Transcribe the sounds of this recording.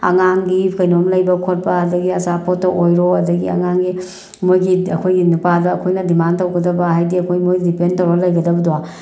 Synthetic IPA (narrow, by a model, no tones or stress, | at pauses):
ɐ̰ŋaŋɡikɐjnomlɐjbɐkʰot̚pɐɐdɐɡiɐsapotːɐʔojɾoɐdɐɡiɐ̰ŋaŋɡi | mojɡiɐkʰojɡinupadɐːkʰojnɐdimantɐwɡɐdɐbɐɦajdiɐkʰojmojdipentɐwɾɐlɐjɡɐdɐbɐdwa